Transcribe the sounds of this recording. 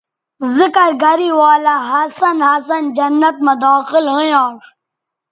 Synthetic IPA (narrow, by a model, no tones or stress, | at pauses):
zɪkɐɾɡɐɾiwaːlɐɦɐsɐnɦɐs̬ɐnd͡ʒɐnːɐt̪̚mɐd̪ɑːxɪlɦəjãːʂ